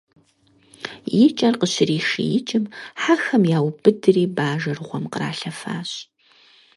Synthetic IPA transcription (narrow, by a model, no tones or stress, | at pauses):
jɪt͡ʃʼɐrqəɕɪriːʂḭjɪt͡ʃʼɪmħaxɐmjaːwbɨdɨriːbaːʒɐrʁʷɔmqəɾa̰ːɬɐfa̰ːɕ